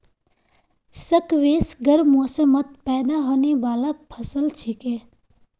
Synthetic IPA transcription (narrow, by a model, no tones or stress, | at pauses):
səkʋeːsɡəɾmoːsəmət̪̚pɛːd̪aɦoːneʋaːlapʰɐsəlt͡ʃʰɪkeː